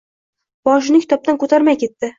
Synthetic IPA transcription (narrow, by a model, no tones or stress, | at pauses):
bɒʃ̬ɪnɪkʲʰɪ̥t̪ʰɒp̚t̪ankʰɵt̪ʰaɾmajkʲʰe̞t̪ːɪ